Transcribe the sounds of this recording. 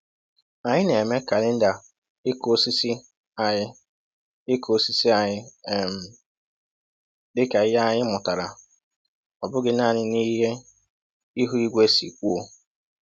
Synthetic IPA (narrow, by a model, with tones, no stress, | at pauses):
a˨ɲɪ˦ne˨me˦ka˨lɪ˦n̩˦da˨ | ɪ˦ko˦si˦si˦ | a˨ɪ˦ | ɪ˦kʰo˦si˦si˦a˨ɲɪ˦˨m̩˨ | dɪ˦ka˨ɪ˦a˦ɲɪ˦mʊ˨ta˨ɾa˨ | ɔ˨bʊ˦ɡɪ˦na˦˨ɲɪ˦ni˦ɦe˦ | i˦ɦu˦i˦ɡʷe˦sḭ˨kʷu˦o˦